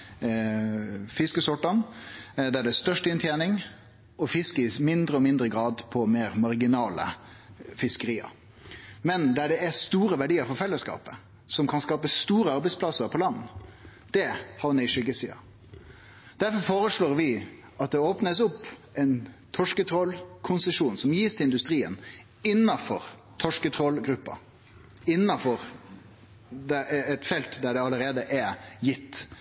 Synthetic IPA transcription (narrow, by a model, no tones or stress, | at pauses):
fɪskəsʊʈːənd̪æɖɛæst̪œʂʈɪnt̪ʰjeːnɪŋ | ɔfɪskəɪmɪnd̪ɾəɔmɪnd̪ɾəɡɾɑːd̪pʰɔmeːɾmɑɾɡɪnɑːlə̰fɪskəɾiːə̰ɾ | mɛnd̪æɖɛæst̪uːɾəʋæɖiːəɾfɔɾfɛlːəskɑ̰ːpə | sɔmkʰɑnskɑːpəst̪uːɾəɑɾbɛɪspʰlɑsəɾpʰɔlɑnː | d̪̥ɛhɑɾnæɪʂʏɡəsḭːɑ̰ | d̪̥æɾfɔɾfoːɾəsɭoːɾʋɪ | ɑt̪̚d̪ɛoːpnəsʊpːɛɪnt̪ʰɔʂkət̪ʰɾɔlkʰʊnsəʂuːnsɔmjiːst̪ʰɪɪnd̪ʉst̪ɾiːə̰n | ɪnːɑfɔɾ | t̪ʰɔʂkət̪ʰɾɔlɡɾʉpːɑ̰ | ɪnːɑfɔɾ | d̪ɛɛt̪fɛlt̪d̪æɖɛɑləɾeːd̪əʔæjɪt̪ː